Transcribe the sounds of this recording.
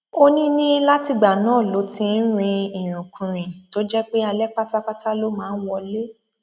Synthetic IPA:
o˦nĩ˦nĩ˦la˦ti˧ɡ͡ba˨nãː˦˨lo˨˦tĩ˧n̩˦ɾ̃ĩ˧i˨ɾ̃ũ˨kʰũ˨ɾ̃ĩ˨to˦d͡ʒɛ˦k͡pe˦a˧lɛ˦k͡pa˦ta˦k͡pa˦ta˦lo˦mãː˦n̩˦wɔ˧le˦

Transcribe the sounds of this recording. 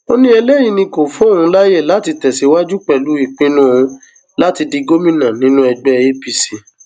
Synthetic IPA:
o˦nĩ˦ɛ˧le˦jĩ˧nĩ˧ko˨fũ˦o˦˨ɾũ˧˦la˦je˦˨la˦˨ti˧tɛ˨si˨˦wa˦d͡ʒu˦k͡pɛ˨lu˨˦i˦˨k͡pĩ˦nũ˦o˧ũ˧ | la˦ti˧di˧ɡo˦mĩ˦˨nã˨nĩ˨˦nũ˦ɛ˧ɡ͡bɛ˦e˦bi˧si˧

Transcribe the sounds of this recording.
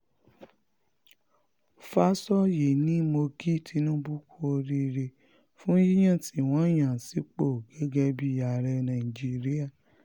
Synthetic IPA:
fa˦sɔ˦˨je˨nĩ˨˦mo˧ɡi˦˨tʰi˨˦nũ˦bu˦kʰo˧ɾi˧ɾe˧ | fũ˦ji˦j̃ã˦˨tʰi˨˦˨w̃ɔ̃˦j̃ã˨si˨˦k͡po˦˨ɡɛ˨˦ɡɛ˦bi˦ja˨ɾɛ˧nã˨i˨d͡ʒi˦ɾi˦a˦˨

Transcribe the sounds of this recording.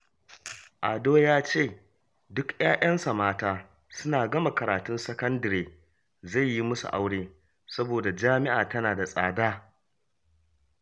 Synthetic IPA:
ʔa˨doː˦jaː˦t͡ʃeː˦˨ | dʊ˦kjaː˦ʔɐ˦nsɐ˨maː˦taː˦ | sʊ˦naː˨ɡɐ˦ma˨kɐ˨ɾaː˨tʊ˦nsɐ˦kɐ˦ndɐ˨ɾeː˨ | za˦˨jːi˦mʊ˦sṵ˨ʔa˦wɽeː˦ | sɐ˦boː˨da˨d͡ʒaː˦mɪ˦ʔaː˨tɐ˦naː˨da˨sʼaː˨daː˦

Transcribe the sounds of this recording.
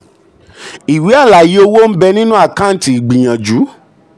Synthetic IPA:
i˨wi˨˦a˦˨la˨ji˨˦o˧wo˦n̩˦bɛ˧nĩ˦nũ˦a˦˨ka˦˨ti˨i˨ɡ͡bĩ˨j̃ã˨d͡ʒu˨˦

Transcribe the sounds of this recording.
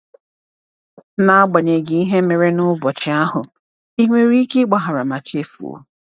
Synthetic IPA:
na˨a˦ɡ͡ba˨ɲe˨ɡɪ˨i˦ɦe˦me˨ɾe˦nʊ˦bɔ˨t͡ʃɪ˨a˦ɦʊ˨ | i˦ŋʷe˦ɾi˦kɪ˦ɡ͡ba˨ɦa˨ɾa˨ma˨t͡ʃe˦fṵ˨o̰˨

